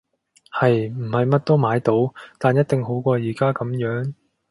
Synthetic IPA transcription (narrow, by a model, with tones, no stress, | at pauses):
hɐ˨jm̩˨˩hɐ˨jmɐ˥t̚t̪o˥wmaː˨˥jt̪o˨˥wt̪aː˨njɐ˥t̚t̪ɪ˨ŋho˨˥wkʷɔː˧jiː˨˩kaː˥kɐ˨˥mjœː˨˥ŋ